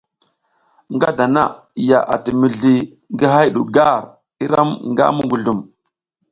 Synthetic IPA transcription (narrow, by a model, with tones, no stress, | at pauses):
ŋɡa˦da˨na̰˦˨ | ja˨ʔa˨ti˨mi˨ɮi˨ | ŋɡə˦ɦa˦jɗu˨ɡa˦ɾ | i˦ɾa˦mŋɡa̰˦mu˦ɡu˨ɮu˨m